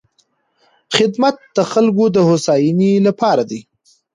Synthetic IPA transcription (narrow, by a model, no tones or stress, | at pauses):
xɪd̪mat̪̚d̪əxalɡod̪əhosɑjinilapɑɾad̪i